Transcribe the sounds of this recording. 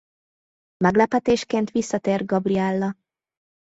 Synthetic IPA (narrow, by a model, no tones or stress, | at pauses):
mɛɡlɛpɛt̪eːʃkeːnt̪ʋisːɒt̪eːr̚ɡɒbriɛlːɒ